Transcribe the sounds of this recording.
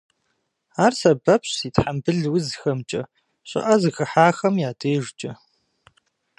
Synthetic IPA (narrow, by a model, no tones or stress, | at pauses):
aːrsɐbɐpɕsiːtħambɨɮwʊzxɐmt͡ʃʼɐ | ɕʷʼɪ̰ʔɐzɨxɨħaːxɐmjaːdʰeːʒt͡ʃʼɐ